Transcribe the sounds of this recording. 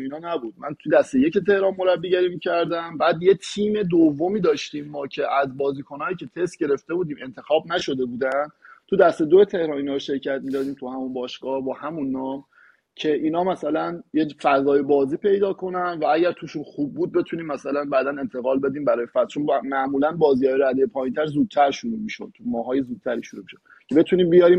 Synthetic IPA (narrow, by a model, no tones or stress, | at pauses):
inɒːnæbuːd̪mænt̪ʰud̪æst̪ejecet̪ʰe̞hɾɒnmo̞ɾæbːiːɟæɾiːmicʰæɾd̪æmbæːd̪jet̪ʰiːme̞d̪ovːo̞miːd̪ɒːʃt̪iːmːɒːcʰe̞ʔæzbɒːziːkʰo̞nɒːiːcʰe̞t̪ʰest̪ɟe̞ɾe̞ft̪e̞buːd̪iːme̞nt̪ʰe̞xɒːbnæʃo̞d̪e̞buːd̪ænd̪t̪ʰud̪æst̪e̞d̪oet̪ʰe̞hɾɒːninɒɾʃe̞ɾcʰæt̪̚mid̪ɒːd̪iːmt̪ʰuhæmunbɒːʃɡ̥ɒːhbɒːhæmunːɒːm | cʰe̞ʔiːnɒːmæsælænjefæzɒːjebɒːziːpʰe̞jd̪ɒːkʰo̞nænd̪vææɟæɾt̪ʰuːʃunxub̚ːuːd̪̚be̞t̪ʰuːniːmːæsælænbæːd̪æne̞nt̪ʰe̞ɣɒːlbe̞d̪iːmbæɾɒːjefæt̪t͡ʃonmæʔmuːlænbɒːziːɒːjeɾæd̪ejepʰɒːjint̪ʰæɾzuːd̪̚t̪ʰæɾʃuɾuːmiʃo̰d̪̥̚t̪ʰumɒːɦɒːjezuːd̪̚t̪ʰæɾiːʃoɾumiʃod̪̚ | cʰebe̞t̪ʰuːniːmbijɒɾiːm